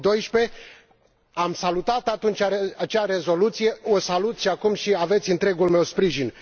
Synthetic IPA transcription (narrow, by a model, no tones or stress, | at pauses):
d̪o̞jʃpe̞ | amsalut̪at̪at̪unt͡ʃʲaɾeat͡ʃaɾe̞zo̞lut̪sije̞osalut̪sʃiakumʃiave̞t̪sʲɨnt̪ɾe̞ɡulme̞wspɾiʒin